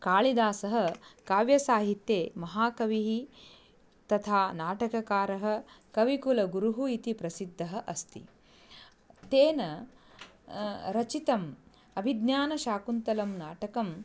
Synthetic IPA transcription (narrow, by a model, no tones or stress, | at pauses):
kaːɭid̪aːsɐɦɐ̆kaːʋjɐsaːɦit̪jeːmɐɦaːkɐʋiɦi | t̪ɐt̪ʰaːnaːʈɐkɐkaːɾɐɦɐ̆kɐʋikulɐɡuɾuɦuit̪ipɾɐsid̪ʱːɐɦɐ̆ʔɐst̪ḭ | t̪eːnɐ | ɾɐt͡ʃit̪ɐm | ɐbʱid̪njaːnɐʃaːkunt̪ɐlɐmnaːʈɐkɐm